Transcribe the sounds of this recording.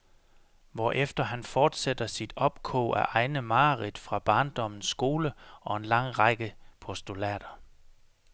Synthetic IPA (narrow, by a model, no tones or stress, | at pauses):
ʋɒʔefd̥ɐɦænfɒːd̥sed̥ɐsid̥ɒ̽b̥̚kʰɔ̰ːʔæʔɑ̈ɪnəmɑ̈ːʁid̥fʁɑ̈b̥ɑ̈ːnd̥ɒ̽m̰n̩sɡ̥o̝ːləɒ̽e̝nlɑ̈ŋ̰ʁɑɪɡ̥əpʰɒ̽sd̥ulɛ̰ːd̥ɐ